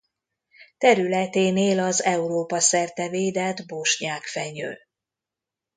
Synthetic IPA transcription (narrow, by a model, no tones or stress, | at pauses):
t̪ɛɾylɛt̪eːneːlɒzɛuɾoːpɒsɛrt̪ɛveːd̪ɛd̪boʃɲaːkfɛɲø̰ː